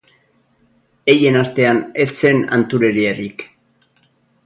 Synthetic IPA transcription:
e̞je̞nast̪e̞ane̞sːe̞na̰nt̪uɾe̞ɾierik

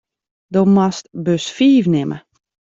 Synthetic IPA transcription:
domastbøsfiːfnɪmə̰

